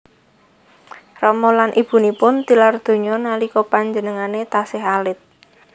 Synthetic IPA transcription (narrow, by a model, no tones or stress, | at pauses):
rɔmɔlanʔib̥ṳnipʊnt̪ilard̪̥o̤ɲɔnalikɔpaɲd͡ʒənəŋanet̪asɪɦalɪt̪̚